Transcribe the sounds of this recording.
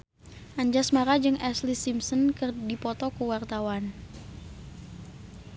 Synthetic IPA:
ʔaɲd͡ʒasmaɾad͡ʒɨŋʔɛslisimsɔnkɨrdipɔt̪ɔkuwart̪awan

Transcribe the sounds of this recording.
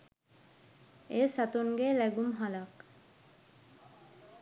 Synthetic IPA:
esat̪unɡelɛɡumɦalak

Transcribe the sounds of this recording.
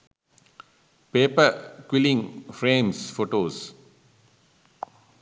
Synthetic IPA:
peːpəkwilĩŋfɾẽːmsfoːʈoːs

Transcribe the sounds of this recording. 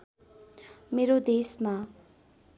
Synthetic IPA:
meɾod̪esma

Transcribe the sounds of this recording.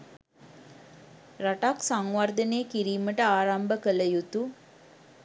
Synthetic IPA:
ɾaʈaksaŋʋaɾd̪əneːkiɾiːməʈəaːɾambəkələjut̪u

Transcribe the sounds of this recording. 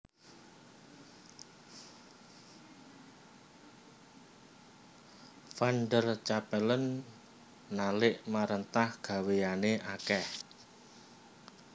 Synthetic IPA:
fanɖərt͡ʃapɛlənː | alɪʔmaɾənt̪ahɡ̥a̤wejaneʔakɛh

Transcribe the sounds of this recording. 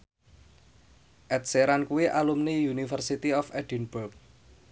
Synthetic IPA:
ʔɛt̪̚seɾankuwiʔalumnijunifərsit̪iɔfɛɖ̥inbʊrk̚

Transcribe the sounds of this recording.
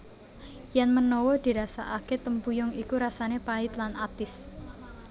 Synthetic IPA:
janmənɔwɔd̪̥i̤ɾasa̰ʔaket̪əmpujʊŋikuɾasanepaɪt̪lanat̪ɪs

